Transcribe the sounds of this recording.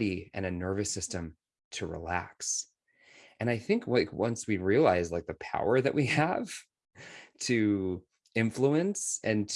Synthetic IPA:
ɾiɨ̰̃ñɨnɜ˞vɨsɪstɨ̃m | tʰɨɹḭlæ̰ks | ʔɨ̃ñaɪθɪ̃ŋkʰwaɪkwʌ̃nswiɹiəlaɪzlaɪk̚ðɨpʰa̰ʊə˞ðɨʔwiəv̥ | tʰɨ | ɪ̃ɱfluɨ̃nsɨ̃ntʰ

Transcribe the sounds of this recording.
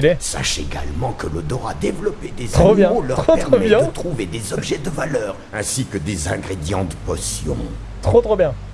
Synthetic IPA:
ilɛsa̰ʃeɡa̰lmɑ̃kələd̪ɔʁa̰d̪evlɔped̪ezχobjɛ̃lœt̪χopɛt̪χʁomɛbjɛ̃ət̪χuved̪ezɔbʒɛd̪əvalœːʁ | ɛ̃sikəd̪ezɛ̃ɡʁed̪jɑ̃t̪əpɔsjɔ̰̃ | t̪χot̪χobjɛ̃

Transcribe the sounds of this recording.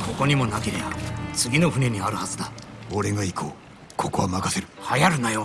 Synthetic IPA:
kʰo̞ko̞ɲ̟imo̞nakeɾebat͡sɨɡʲino̞ɸɯ̟ne̞ɲ̟iaɾɯ̟hazɨd̪aoɾe̞ɡaikʰo̰ː | kʰo̞ko̞amakaseɾɯ̟hajaɾɯ̟najo

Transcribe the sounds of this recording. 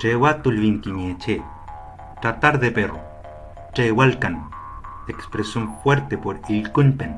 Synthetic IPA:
ʈ͡ʂewat̪ulβiŋkiɲet͡ʃe | ʈat̪aɾðepero̰ | ʈ͡ʂewalkan | ekspɾesjonfweɾt̪epoɾilkunpen

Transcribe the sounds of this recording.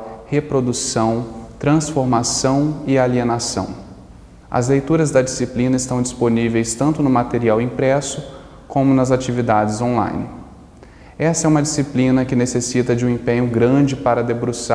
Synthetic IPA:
hepɾod̪usɐ̃w̃t̪ɾɐ̃sfoɾmasɐ̃w̃ɪalienasɐ̰̃w̃ | ɐ̰zlejt̪uɾɐzd̪ɐd͡ʒisiplĩnɐɪst̪ɐ̃w̃d͡ʒisponivejst̪ɐ̃nt̪ʊnʊmat̪eɾiawĩpɾɛsʊ | kõmʊnɐzat͡ʃivid̪ad͡ʒɪzõlã̰jnɪ | ɛsɐɛũmɐd͡ʒisiplĩnɐkɪnesesit̪ɐd͡ʒɪũẽpẽɲʊɡɾɐ̃d͡ʒɪpaɾɐd̪ebɾusa

